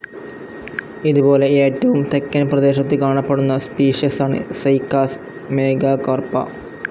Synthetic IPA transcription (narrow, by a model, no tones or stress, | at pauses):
iðubo̞ːle̞eːtːɐʋumt̪ekːɐnprɐd̪e̞ːɕɐt̪ːɨkaːɳɐpːeɽunːɐspiːʂjɐsaːɳɨ̰sɐjkːaːs | me̞ːɡɐkɐrpɐ̰